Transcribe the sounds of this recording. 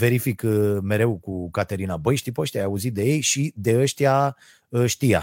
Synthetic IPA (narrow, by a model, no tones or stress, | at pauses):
ve̞ɾifikme̞ɾe̞wkukat̪eɾinabəjʃt̪ipəʃt̪ijajauzit̪̚d̪e̞je̞jʃid̪e̞əʃt̪ia | əʃt̪ija̰